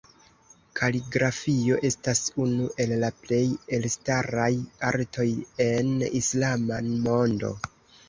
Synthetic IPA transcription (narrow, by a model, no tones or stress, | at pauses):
kʰaliɡɾafio̞ʔe̞stasunuʔe̞lːaple̞je̞lstaɾajaɾtʰo̞je̞nislamamo̞ndo̞̰